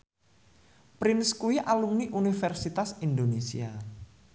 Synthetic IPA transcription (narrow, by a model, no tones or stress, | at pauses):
pɾɪnskuiʔalumniʔunifɛrsit̪asind̪onesḭa